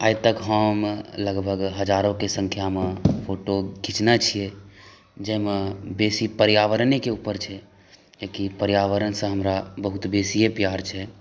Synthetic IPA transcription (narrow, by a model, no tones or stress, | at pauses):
ajt̪əkɦəmləɡbʱəɡɦəd͡ʒaɾõkesə̃ŋkʰjamẽpʰoʈoɡʱit͡ʃnat͡ʃʰijɛ | d͡ʒəmẽbesipəɾjaʋəɾənekeupəɾt͡ʃʰɛ | d͡ʒekipəɾjaʋəɾənsə̃ɦəmɾabəɦut̪besiepjaɾt͡ʃʰɛ